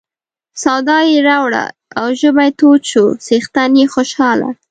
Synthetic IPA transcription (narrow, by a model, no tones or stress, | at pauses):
sawd̪ɑjeɾawɽa̰ | awʒəbajt̪oʃosext̪anjexoʃɑla̰